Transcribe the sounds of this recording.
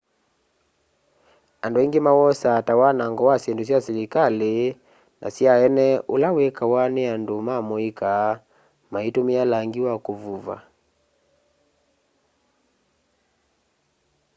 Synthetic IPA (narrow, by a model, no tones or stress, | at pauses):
anduiŋɡimawɔsatawanaŋɡɔwasiɛndus̬iasɛɾikali | nʔa̰siaɛnɛulawɛkawanɛandumamɔika | maitumialaŋɡiwakuvuva̰